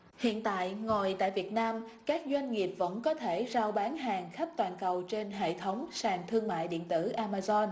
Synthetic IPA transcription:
hḭ˧˨ənt̪a̰ː˧˨jŋo˨˩jt̪a̰ː˧˨jvi˨˩ət̚naː˧m | kaː˦˥k̚zwa˧jŋ̟ŋi˨˩əp̚və̰˧˥nkɔ˨˦t̪ʰe˧˩zaː˧wɓaː˨˦nɦaː˨˩ŋxa˦˥p̚t̪waː˨˩nkə˨˩wt͡ɕe˧nɦḛ˧˨t̪ʰə˨˦wŋ͡msaː˨˩ŋt̪ʰɨ˧əŋma̰ː˧˨jɗḭ˧˨ənt̪ɨ̰˧˩ʔaː˧maː˧zɔ˧n

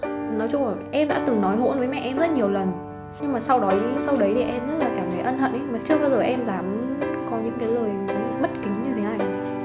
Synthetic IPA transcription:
nɔ˨˦jt͡ɕʊ˧ŋ͡ma˨˩ʔɛ˧mɗa̰ː˧˥t̪ɨ˨˩ŋnɔ˨˦jɦo̰˧˥nvəː˨˦jmɛ̰˧˨ʔɛ˧mzə˦˥t̚ɲi˨˩əwlə˨˩n | ɲɨ˧ŋmaː˨˩sa˧wɗɔ˨˦jsa˧wɗə˨˦jt̪ʰi˨˩ʔɛ˧mɲə˦˥t̚laː˨˩kaː˧˩kaː˨˦jʔə˧nhə̰˧˨nʔə˨˦jmaː˨˩t͡ɕɨ˧əɓaː˧wzəː˨˩jʔɛ˧mzaː˨˩m˨˦nnkɔ˨˦ɲɨ̰˧˥ŋke˨˦jləː˨˩jɓə˦˥t̚kï˨˦ŋ̟ɲɨ˧t̪ʰe˨˦na˨˩j

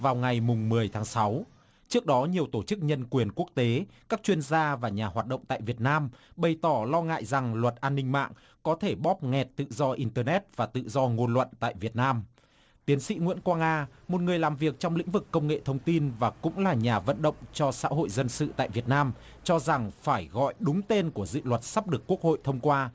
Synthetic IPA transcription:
vaː˨˩wŋa˨˩jmʊ˨˩ŋ͡mmɨ˨˩əjt̪ʰaː˨˦ŋsa˨˦w | t͡ɕɨ˦˥ək̚ɗɔ˨˦ɲi˨˩əwt̪o˧˩t͡ɕɨ˦˥k̚ɲə˧nkwi˨˩ənku˦˥ək̚t̪e˨˦kaː˦˥k̚t͡ɕwi˧ənzaː˧vaː˨˩ɲaː˨˩ɦwaː˨˩t̚ɗə̰˧˨ŋ͡mt̪a̰ː˧˨jvi˨˩ət̚naː˧mɓə˨˩jt̪ɔ˧˩lɔ˧ŋa̰ː˧˨jza˨˩ŋlwə˨˩t̚ʔaː˧nːï˧ŋ̟ma̰ː˧˨ŋ | kɔ˨˦t̪ʰe˧˩ɓɔ˦˥p̚ŋɛ˨˩t̚t̪ɨ̰˧˨zɔ˧ʔi˧nt̪əː˧nɛ˦˥t̚vaː˨˩t̪ɨ̰˧˨zɔ˧ŋo˧nlwə̰˧˨nt̪a̰ː˧˨jvi˨˩ət̚naː˧m | t̪i˨˦ənsḭ˧˥ŋwḭ˧˥nkwaː˧ŋaː˧mo˨˩t̚ŋɨ˨˩əjlaː˨˩mvi˨˩ək̚t͡ɕɔ˧wŋ͡mlḭ̈˧˥ŋ̟vɨ˨˩kːə˧wŋ͡mŋḛ˧˨t̪ʰə˧wŋ͡mt̪i˧nvaː˨˩kʊ̰˧˥ŋ͡mlaː˨˩ɲaː˨˩və̰˧˨nɗə̰˧˨wŋ͡mt͡ɕɔ˧sa̰ː˧˥ɦo̰˧˨jzə˧nsɨ̰˧˨t̪a̰ː˧˨jvi˨˩ət̚naː˧m | t͡ɕɔ˧za˨˩ŋfaː˧˩jɣɔ̰˧˨jɗʊ˨˦ŋ͡mt̪e˧nku˧˩əzɨ̰˧˨lwə˨˩t̚sa˦˥p̚ɗɨ˨˩əkːu˦˥ək̚ho̰˧˨jt̪ʰə˧wŋ͡mkwaː˧

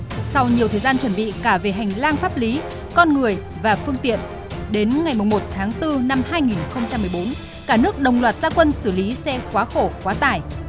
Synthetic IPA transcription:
sa˧wɲi˨˩əwt̪ʰəː˨˩jzaː˧nt͡ɕwə˧˩nɓḭ˧˨kaː˧˩ve˨˩ɦa˨˩jŋ̟laː˧ŋfaː˦˥p̚li˨˦ | kɔ˧nŋɨ˨˩əj | vaː˨˩fɨ˧əŋt̪ḭ˧˨ən | ɗe˨˦nŋa˨˩jmʊ˨˩ŋ͡mmo˨˩t̚t̪ʰaː˨˦ŋt̪ɨ˧na˧mhaː˧jŋi˨˩nxə˧wŋ͡mt͡ɕa˧mːɨ˨˩əjɓo˨˦n | kaː˧˩nɨ˦˥ək̚ɗə˨˩wŋ͡mlwaː˨˩t̚z̥aː˧kwə˧nsɨ˧˩li˨˦sɛ˧kwaː˨˦xo˧˩kwaː˨˦t̪aː˧˩j

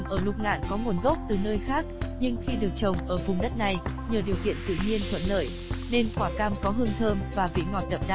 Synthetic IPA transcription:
mʔəː˧˩lʊ˨˧˩k͡p̚ŋa̰ː˧˨nkɔ˨˦ŋu˨˩nɣə˦˥p̚t̪ɨ˨˩nəː˧jxaː˦˥k̚ɲɨ˧ŋxi˧ɗɨ˨˩ək̚t͡ɕə˨˩wŋ͡mʔəː˧˩vʊ˨˩ŋ͡mɗə˦˥t̚na˨˩j | ɲəː˨˩ɗi˨˩əwkḭ˧˨ənt̪ɨ̰˧˨ɲi˧ənt̪ʰwə̰˧˨nləː˧˩j | ne˧nkwaː˧˩kaː˧mkɔ˨˦ɦɨ˧əŋt̪ʰəː˧mvaː˨˩vḭ˧˨ŋɔ˨˩t̚ɗə˨˩p̚ɗa̰˧˨

